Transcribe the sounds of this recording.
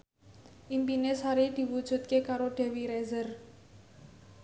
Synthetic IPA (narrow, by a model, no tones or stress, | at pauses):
ʔimpinesaɾid̪̥i̤wud̥ʒ̥ṳt̪̚kekaɾoɖ̪̥ɛ̤wiɾɛzər